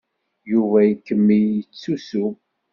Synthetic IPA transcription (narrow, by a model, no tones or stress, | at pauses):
juvæjəkːəmːijət͡sːusu